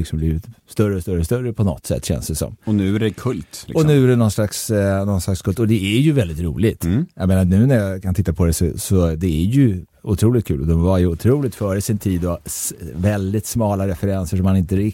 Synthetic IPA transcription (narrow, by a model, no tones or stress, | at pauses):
lɪksɔmbliːvɪt̪st̪œɾəɔst̪œɾəɔst̪œɾəpʰɔnɔ̰t̪ːsɛ̰t̪ːɕɛ̰nsd̪ɛsɔ̰mɔnʉ̟ːæɖɛkʰɵlt̪lɪɔsnʉ̟ːæɖɛnɔnslaksnɔnslakskʰɵlt̪ɔd̪ɛæɾjɵvɛld̪ɪt̪ɾuːlɪɡt̪jajmeːnanʉ̟ːnæɾjakʰant̪ɪt̪ːapʰɔd̪ɛsɔ̰sɔd̪ɛæɾjɵ | ʊt̪ʰɾuːlɪt̪̚kʰʉ̟ːlɔd̪ɛmvaɾjʉʊt̪ʰɾuːlɪk̚t̪fœːɾəsɪnt̪ʰiːd̪ɔvɛld̪ɪt̪smɑːlaɾɛfɛɾɛnsəʂ̬ɔmːanɪnt̪əɾɪ